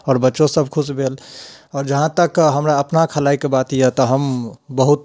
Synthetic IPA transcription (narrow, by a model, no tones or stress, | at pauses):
ɔːɾbətːʃõsəb̚ʱkʰusbʱelɔːɾd͡ʒəɦãt̪əkɦəmɾaəpnakʰəlaikebat̪ijət̪əɦəmbəɦut̪